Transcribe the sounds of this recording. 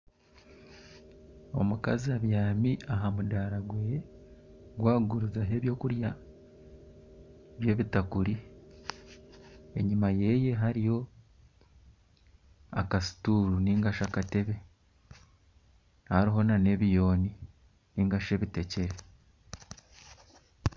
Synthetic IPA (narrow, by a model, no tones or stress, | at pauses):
o̞̰muka̰ziaβjaːmiʔaɦamudaːɾaɡwe | ɡwaːɡuɾuzaɦe̞βjo̞ːkuɾja | βje̞ːβitakuɾi | e̞̰ɲimaje̞je̞ɦaɾijo̞ | a̰kasi̥tuːɾuniːŋɡaʃakate̞βe̞ | haɾiɦo̞nane̞βijo̞ːni | niːŋɡaʃe̞ːβite̞ce̞ɾe̞